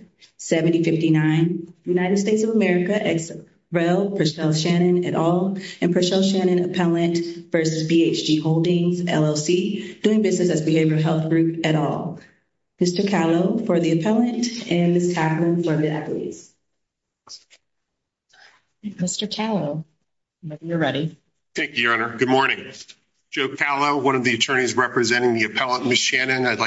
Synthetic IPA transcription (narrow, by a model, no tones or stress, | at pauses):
sɛvɨ̃ntifɪftinãɪ̃nðɨjʉnaɪɾɨd̥steɪtsʌvəmɛɹɨkɨʔɛks | ɹɛlˠpʰɹ̥ɨʃɛlˠʃæ̃ɾ̃ɨ̃nɨɾʔɔlˠɨ̃npʰɹ̥ɨʃɛlˠʃæ̃ɾ̃ɨ̃nɨpʰɛlˠɨ̃nvɜ˞sɨzbieɪt͡ʃd̥iɦoʊlˠdɪ̃ŋzɛ̰lˠoʊsid̥ʉɪ̃ŋbɪznɨsɨzbɨheɪvjə˞ə˞ɦɛlˠθɡ̥ɹʉpɨɾɔ̰lˠ | mɪstə˞kʰælˠoʊfə˞ðiɨpʰɛlˠɨ̃ntɨ̃nmɪstʰæplˠɨ̃nfə˞ðiʔæ̰pl̩ˠḭz̥ | mɪstə˞kʰælˠoʊ | meɪkmjə˞ɹɛɾi | θæ̃ŋkjɨʌnə˞ɡ̥ʊd̚mɔɹnɪ̃ŋ | d̥ʒ̥oʊkʰælˠoʊwʌ̃nʌvðiɨtʰɜ̃˞ɾ̃izɹɛpɹɨzɛ̃ɾ̃ɪ̃ŋðiɨpʰɛlˠə̃nmɨsʃænɪ̃ŋaɪdˡlaɪ